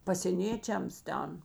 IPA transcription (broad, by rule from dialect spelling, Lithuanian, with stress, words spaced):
pɐsʲeːˈnʲeːt͡ʃʲɛms ˈtʲɛn